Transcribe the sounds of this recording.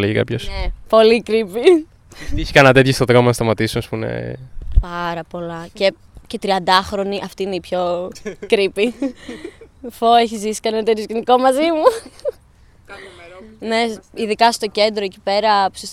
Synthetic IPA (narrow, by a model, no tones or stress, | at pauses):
leʝikɐ̰pçosepo̞likɾipi | içi̥kɐnɐt̪eçost̪oðɾomonɐst̪ɐmɐt̪isunɐspunḛpɐɾɐpo̞lɐce̞ | ce̞t̪ɾiɐnd̪ɐxɾo̞niʔɐft̪iineipço̞kɾipi | foeçizisi̥kɐnɐnɐt̪et̪jozʝeniko̞mɐzimu | ne̞iðikɐst̪o̞ce̞nd̪ɾoecipe̞ɾɐpu̥sis